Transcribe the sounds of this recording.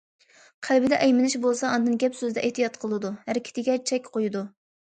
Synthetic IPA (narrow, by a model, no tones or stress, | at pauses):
qʰælbɪd̪ɛʔɛjmɪnɪʃbolˠsɑːnd̪ɨnɡʲɛpsøzd̪ɛʔeht̪ijɑt̪̚qʰəlˠɨd̪uhæɾɪkʲʰɪ̥t̪ʰɪɡʲɛt͡ʃʰɛkʲqʰojud̪u